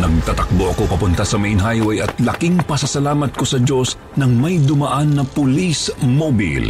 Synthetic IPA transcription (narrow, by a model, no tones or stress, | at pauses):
nɐɡ̚t̪at̪ɐk̚boʔɐkopɐpʊnt̪ɐsɐmɐʔɪnɦajwɐjɐt̪lɐkiŋpɐsɐsɐlaːmɐt̪̚ko̞sɐd͡ʒo̞s | nɐŋmɐjd̪ʊmɐʔanːɐpʊlismobḭl